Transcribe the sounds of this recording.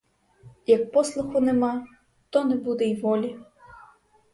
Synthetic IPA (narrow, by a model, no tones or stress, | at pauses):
jɐk̚pɔslˠʊxʊnɛmɑ | t̪ɔnɛbud̪ɛiʋɔlʲi